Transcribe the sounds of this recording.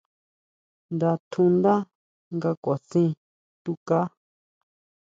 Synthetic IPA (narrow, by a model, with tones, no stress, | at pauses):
nd̪a˧t̪ʰũ˧nd̪a˦ | ŋɡa˧kʷa˨sĩ˦ | t̪u˦ka˦